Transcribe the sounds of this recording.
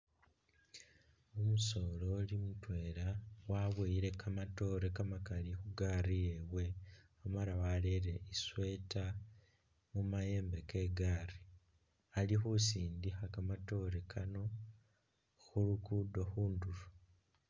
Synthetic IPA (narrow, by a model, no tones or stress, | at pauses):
omuso̞ːlolimutwe̞ːlawaβweiɾe̞kamato̞ːɾekamakalixuɡaːrijeβwe̞amaɾawaleɾe̞iswe̞ːta | mumaje̞ːmbe̞ke̞ːɡaːri | alixusiːndixakamato̞ːɾekʰano̞ | xulukudo̞xuːndulu